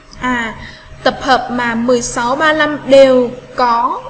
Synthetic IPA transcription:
ʔaː˨˩ | t̪ə˨˩p̚həː˨˩p̚maː˨˩mɨ˨˩əjsa˨˦wɓaː˧la˧mɗe˨˩wkɔ˨˦

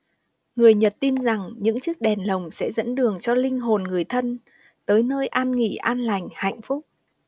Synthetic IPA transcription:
ŋɨ˨˩əjɲə˨˩t̚t̪i˧nza˨˩ŋɲɨ̰˧˥ŋt͡ɕɨ˦˥k̚ɗɛ˨˩nlə˨˩wŋ͡msɛ̰˧˥zə̰˧˥nɗɨ˨˩əŋt͡ɕɔ˧lï˧ŋ̟ɦo˨˩nŋɨ˨˩əjt̪ʰə˧n | t̪əː˨˦jnəː˧jʔaː˧nŋḭ˧˨ʔaː˧nla˨˩jŋ̟ha̰˧˨jŋ̟fʊ˦˥k͡p̚

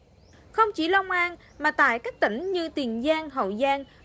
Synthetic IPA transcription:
xə˧wŋ͡mt͡ɕi˧˩lɔ˧wŋ͡mʔaː˧n | maː˨˩t̪a̰ː˧˨jka˦˥k̚t̪ï˧˩ŋ̟ɲɨ˧t̪i˨˩ənzaː˧ŋɦə̰˧˨˩wzaː˧ŋ

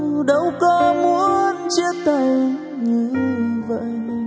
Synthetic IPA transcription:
ɗə˨˧˦wkɔ˧mu˧˥ənt͡ɕi˦ət̚t̪ʰə˨˩j | ŋɨ˨˩˧və̰˧˨

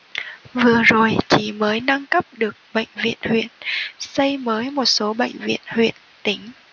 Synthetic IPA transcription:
vɨ˨˩əzo˨˩jt͡ɕi˨˩məː˨˦jna˧ŋkə˦˥p̚ɗɨ˨˩ək̚ɓə̰˧˨jŋ̟vḭ˧˨ənhwḭ˧˨ənsə˧jməː˨˦jmo˨˩t̚so˨˦ɓə̰˧˨jŋ̟vḭ˧˨ənhwḭ˧˨ənt̪ï˨˦ŋ̟

